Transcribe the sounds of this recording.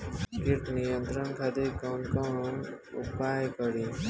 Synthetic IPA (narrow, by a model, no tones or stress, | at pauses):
kiʈnijʌnt̪ɾənkʰad̪ekʌnkʌnṵpajkʌɾi